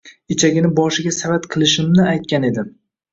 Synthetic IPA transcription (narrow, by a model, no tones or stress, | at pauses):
ɪt͡ʃʰaɡʲɪnɪbɒʃɪɡʲasavat̪qʰɨlˠɪʃɪmnɪajt̪̚kʲane̞d̪ɪ